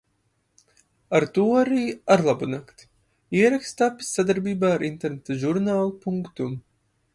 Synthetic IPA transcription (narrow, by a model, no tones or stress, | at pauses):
aɾt̪uɔaɾiːaɾlˠabunakt̪ | iɛɾakst̪apːi̥sːad̪aɾbiːbaːaɾint̪eɾnet̪aʒuɾnaːlˠupuŋkt̪um